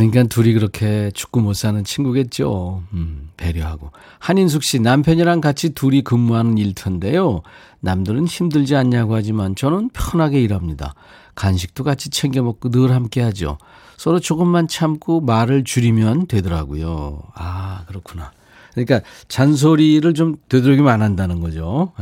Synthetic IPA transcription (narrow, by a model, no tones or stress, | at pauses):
kɯɲik͈antuɾikɯɾʌkʰe̞t͡ɕu̥k͈umos͈anɯnt͡ɕʰinɡuɡe̞t̚t͡ɕ͈o | pe̞ɾjoɦaɡo | haɲins̬ʰuk̚ɕ͈inampʰjʌɲiɾaŋkat͡ɕʰituɾikɯmːuɦanɯniɭtʰɯnde̞jo | namdɯɾɯnçimdɯɭd͡ʑiaɲːaɡoɦad͡ʑimant͡ɕʌnɯnpʰjʌnɦaɡe̞iɾamɲida̰ | kanɕ̬ʰi̥k̚t͈okat͡ɕʰi̥t͡ɕʰeŋɡemʌk̚k͈onɯɾhamk͈e̞ɦad͡ʑio̰ | sʰʌɾot͡ɕoɡɯmːant͡ɕʰamk͈ʰomaɾɯɭt͡ɕuɾimjʌntwe̞dʌɾa̰ɡo̰jo̰akɯɾʌkʰuna | kɯɲik͈at͡ɕans̬ʰoɾiɾɯɭt͡ɕomtwe̞dɯɾʌɡimanɦandanɯnɡʌd͡ʑo